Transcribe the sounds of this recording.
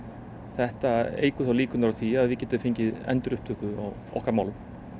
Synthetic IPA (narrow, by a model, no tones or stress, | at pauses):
θɛht̪aḛːjkʏθawliːkʏnɾaθʰiaːðvɪðcɛːt̪ʏfeɲcɪðɛ̰nt̪ʏɾʏhpt̪ʰʏhkʏa̰ | ɔ̰hkaɾmaːwlʏm